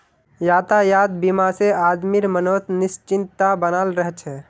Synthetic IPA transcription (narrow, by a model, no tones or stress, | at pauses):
jaːt̪ajaːd̪̚bimaseaːd̪miɾmənoːt̪nɪst͡ʃɪnt̪t̪abənalɾəɦɛt͡ʃʰɛ